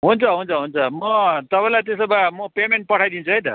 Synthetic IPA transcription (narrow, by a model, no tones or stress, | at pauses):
ɦunt͡sʰʌɦunt͡sʰʌɦunt͡sʰʌmʌt̪ʌpaĩlajt̪esʌbamʌpemeɳʈ̚pʌʈʰajd̪int͡sʰuɦʌjt̪ʌ